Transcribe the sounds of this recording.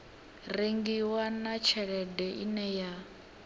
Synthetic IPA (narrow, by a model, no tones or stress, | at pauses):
reŋɡiwanat͡ʃʰɛɺɛdɛʔinɛja